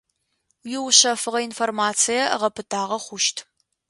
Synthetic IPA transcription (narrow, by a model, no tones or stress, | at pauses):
jɪwɕɐfɨʁɐinformaːt͡sʰijɐʁɐpʰɨtʰaːʁɐχʷʊʃtʰ